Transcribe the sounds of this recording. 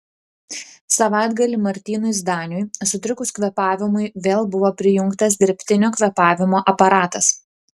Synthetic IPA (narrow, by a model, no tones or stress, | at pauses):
sɐʋɑˑɪd̪ɡɐlʲimɐɾʲt̪ʲiːnʊsd̪ɑːnʲʊjsʊt̪ʲɾʲʊkʊskʋʲɛpɑːʋʲɪmʊɪʋʲeːlˠbʊʋoːpʲɾʲɪjʊŋkt̪ɐsd̪ʲɪɾʲpʲt̪ʲɪnʲoːkʋʲɛpɑːʋʲɪmoːʔɐpɐɾɑːt̪ɐs